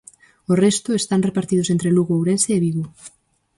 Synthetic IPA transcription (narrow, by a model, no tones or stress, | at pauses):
orest̪oest̪anrepaɾt̪ið̞os̬ent̪ɾeluɣoːwɾenseːβiɣo